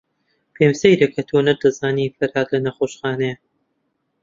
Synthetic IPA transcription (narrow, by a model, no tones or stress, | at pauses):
pʰeːmsejɾekʰɐt̪ʰoːnɐɾd̪ɐzaːniːfɐɾaːt̪lɐnɐxoːʃxaːnejɐ